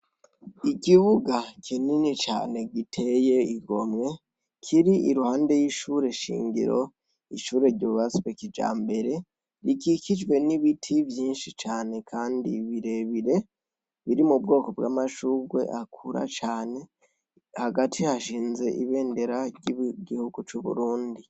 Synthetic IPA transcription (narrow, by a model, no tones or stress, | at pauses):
ikiβuɡakʰininit͡ʃa̰ːne̞ɡitʰe̞je̞iɡomŋe̞ | kʰiɾiiɾuhaːnde̞jiʃuɾe̞ʃḭːŋɟḭɾo̞̰ | iʃuːɾeɾɟoβasβekid͡ʒa̰ːmbe̞ɾe̞ | ɾikikid͡ʒwe̞niβitʰivjiːnʃit͡ʃaːne̞kʰaːndḭβiɾe̞βiɾe̞ | βiɾimubɡo̞ːko̞bɡwa̰ːmaʃuwe̞̰ʔakʰuɾa̰t͡ʃaːne̞ | haɡatʰihaʃiːnze̞ʔiβe̞ːnde̞ɾaɟiɡihuɡut͡ʃuβṵɾuːndi